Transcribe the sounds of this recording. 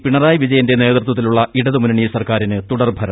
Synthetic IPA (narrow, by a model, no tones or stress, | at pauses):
piɳɐraːjʋid͡ʑɐjɐnde̞ne̞ːðrt̪wɐt̪ːiluɭːɐiɽɐðɨmunɐɳijɐsɐrkaːɾinɨt̪uɽɐrbʱɐɾɐ